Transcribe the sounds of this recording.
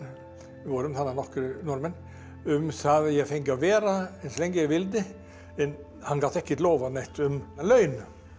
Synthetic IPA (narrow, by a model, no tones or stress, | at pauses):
ʋɔːɾəmθananɔkɾnɔɾmən | ʉmsaðjɛfɛŋkɔʋeːɾaɛnsɔlɛŋɡəɾjɛʋɪld̪ɪ | ɛn | hanɡat̪ɛhkːət̪loːʋanɛht̪ʊmlœʏn